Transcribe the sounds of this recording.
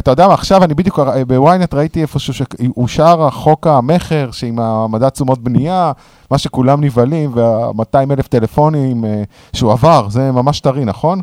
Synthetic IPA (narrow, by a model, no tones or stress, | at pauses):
at̪ajo̞d̪eamaːχʃavanibid̪jukbewajnet̪ʁait̪iefoʃuʃeuʃaʁaχo̞kame̞χe̞ʁʃeimamad̪at͡sumo̞t̪̚bnija | maʃe̞kulamnivalimveamat̪aimeleft̪e̞lefonim | ʃeuavaʁzemamaʃt̪aʁinaχo̞n